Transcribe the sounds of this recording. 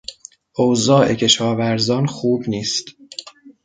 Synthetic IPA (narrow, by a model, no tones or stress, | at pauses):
ʔozɒːʔe̞cʰe̞ʃɒːvæɾzɒːnxuːbniːst̪